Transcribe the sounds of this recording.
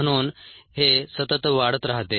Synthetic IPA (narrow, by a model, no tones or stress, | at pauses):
ñuːnhesət̪ət̪ʋaɽət̪ɾaɦt̪e